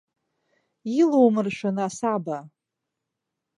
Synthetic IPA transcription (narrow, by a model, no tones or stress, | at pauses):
ilowmɨrʃʷanasaba